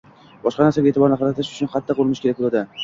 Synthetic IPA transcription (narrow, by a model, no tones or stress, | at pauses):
bɒʃqɑnaɾsaɡʲaeːt̪ɪbɒɾnɪqɑɾat̪ʰɪʃʊ̥t͡ʃʰʊnχɑt̪ʰːɪqoɾˠmɪʃkʰʲeak̚ʲbolad̪ɪ